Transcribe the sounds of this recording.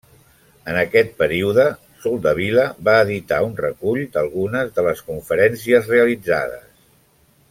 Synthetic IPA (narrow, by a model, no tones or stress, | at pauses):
ənəkɛt̪̚pəɾiuðə | sulˠd̪əβ̞iləβaəðit̪aunrəkuʎd̪əlˠɣunəzðələskuɱfəɾɛnsiəzreəlid͡za̰ðə̰s